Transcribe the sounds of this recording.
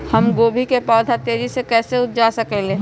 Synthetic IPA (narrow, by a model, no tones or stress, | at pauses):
həmɡoːbʱikepɔːd̪ʱat̪eːd͡ʒisekɛːseʊt̪̚ʰd͡ʒasɐkeleː